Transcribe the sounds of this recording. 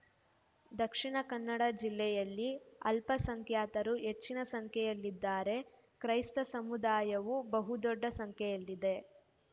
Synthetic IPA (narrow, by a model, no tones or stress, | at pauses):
d̪ɐkʂiɳɐkɐnːɐɽɐd͡ʒilːɛjɐlːiɐ̰lpɐsɐŋkʰjaːt̪ɐɾuɦe̞t͡ʃːinɐsɐŋkʰjɛjɐlːid̪ːaːɾe̞ | kɾɐjst̪ɐsɐmud̪aːjɐʋubɐɦud̪ɔɖːɐsɐŋkʰjɛjɐlːid̪e̞